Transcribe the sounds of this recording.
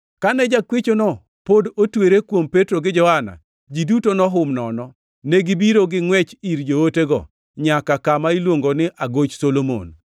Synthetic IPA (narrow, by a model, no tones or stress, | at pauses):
kanɛd͡ʒakwet͡ʃonɔ | podotweɾekwompetɾoɡɪd͡ʒɔhana̰ | d͡ʒidutonɔɦʊmnɔnɔ | neɡibiɾoɡɪŋwɛt͡ʃiɾd͡ʒooteɡɔ̰ | ɲakakamailwoŋɡonɪʔaɡot͡ʃsolomo̰n